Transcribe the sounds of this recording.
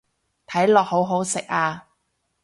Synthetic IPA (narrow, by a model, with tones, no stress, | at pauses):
t̪ʰɐ˨˥jlɔː˨k̚ho˨˥wɦo˨˥wsɪ˨k̚aː˧